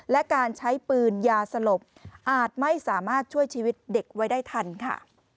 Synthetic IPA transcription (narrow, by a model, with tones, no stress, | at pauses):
lɛ˦˥kaː˧nt͡ɕʰa˦˥jpɯː˧njaː˧sa˧lo˨˩p̚ʔaː˨˩t̪̚ma˥˩jsaː˩˦maː˥˩t̪̚t͡ɕʰu˥˩əjt͡ɕʰiː˧wi˦˥t̪̚de˨˩k̚wa˦˥jdaː˥˩jt̪ʰa˧nkʰa̰˥˩